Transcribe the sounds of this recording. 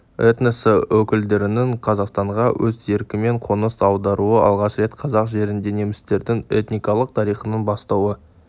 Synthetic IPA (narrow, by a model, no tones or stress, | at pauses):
et̪nesəwɵkʲɪld̪e̞ɾɪnɪɴqʰɑzɑqst̪ɑɴʁɑwʔɵze̞ɾkʲɪme̞ɴqʰo̞nəsɑwd̪ɑɾuəʔɑ̰lˠʁɑʃɾe̞t̪qʰɑzɑqʒe̞ɾɪnd̪e̞ne̞mɪst̪e̞ɾd̪ɪŋet̪nijkɑlˠəq̚t̪ʰɑɾijχənənbɑst̪ɑwə